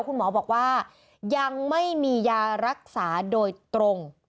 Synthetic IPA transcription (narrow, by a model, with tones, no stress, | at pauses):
wkʰu˧nmɔː˩˦bɔː˨˩k̚waː˥˩ | ja˧ŋma˥˩jmiː˧jaː˧ɾa˦˥k̚saː˩˦doː˧jt̪ɾo˧ŋ